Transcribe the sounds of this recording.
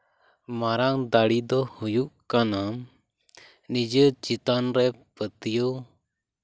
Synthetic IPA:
maɾaŋd̪aɽid̪ɔhujuʔkanam | nid͡ʒət͡ʃit̪anɾɛpət̪ijo

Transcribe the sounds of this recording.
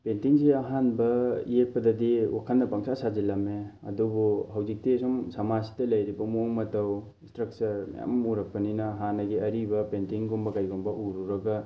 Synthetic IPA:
pentiŋsiɐɦanbɐḭjek̚pɐdɐdiwakʰanːɐpaŋsʰasazilɐmeɐ̰dubuɦawzik̚tesɔŋsɐmasi̥dɐlɐjɾibɐmoŋmɐtɐw | istɾɐk̚sɐɾm̰ja̰mmuɾɐk̚pɐninɐɦanːɐɡiɐɾibɐpentiŋɡumbɐkajɡumbɐʔuɾuɾɐɡɐ

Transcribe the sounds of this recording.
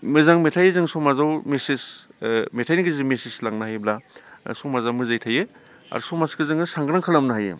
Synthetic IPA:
mɯzaŋmetʰajzɯŋsɔmazawmesismetʰajniɡizɯmesislaŋnahajblasɔmazawmɯzajtʰaje | a̰ɾsɔmaskɯzɯŋɯsaŋɡɾaŋkʰalamnaɦajḛ

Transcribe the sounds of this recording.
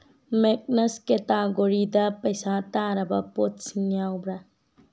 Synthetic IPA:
mek̚nɐsket̪aːɡoɾid̪apɐjsat̪aːɾɐbɐpot̪siaubɾa

